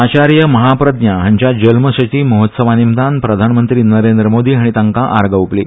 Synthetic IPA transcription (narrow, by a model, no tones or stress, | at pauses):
at͡ɕaɾjəməɦapɾəd̪njaɦaɲt͡ɕjad͡ʑəlməɕət͡ɕiːməɦot̪səʋanimd̪anpɾəd̪ʱanmənt̪ɾiːnəɾend̪ɾəmod̪iːɦaɽ̃it̪ãŋkaʔaɾɡəʋpliː